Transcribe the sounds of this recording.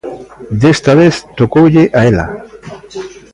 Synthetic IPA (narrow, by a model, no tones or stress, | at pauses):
d̪est̪aβeθt̪okowʎeʔaela̰